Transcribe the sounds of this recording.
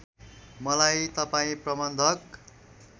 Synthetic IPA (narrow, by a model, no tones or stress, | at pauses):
mʌlajt̪ʌpaĩprʌbʌnd̪ʱʌk